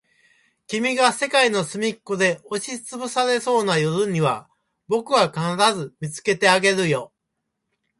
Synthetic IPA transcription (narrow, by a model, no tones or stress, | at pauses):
kʲimʲiɡase̞kaino̞sɨmʲikːod̪e̞o̞ɕit͡sɨbɯ̟saɾe̞so̞ːnajo̞ɾɯ̟ɲ̟iβa | bo̞kɯ̟βakanaɾazɨmʲit͡sɨ̥ke̞t̪e̞aɡe̞ɾɯ̟jo̞